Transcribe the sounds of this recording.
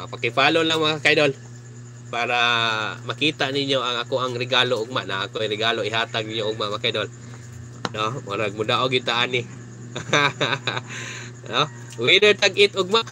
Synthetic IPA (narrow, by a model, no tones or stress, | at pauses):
apakɪpaːlolaŋmaŋakajdol | paɾamakiːt̪aʔnɪɲoʔaŋakoʔaŋɾɪɡaːloʊɡ̚maʔnaʔakoaɾɪɡaloɪɦaːt̪aɡ̚nɪɲoʔʊɡ̚maʔmakajdol | nomonaɡ̚mʊdaʔoɡɪd̪̚t̪aʔaːnɪ | no | widəd̚t̪aɡʔɪt̪ʔʊɡ̚maʔ